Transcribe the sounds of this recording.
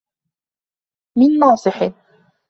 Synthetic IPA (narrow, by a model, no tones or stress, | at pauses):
mɪnːɑːsˤɨħɪ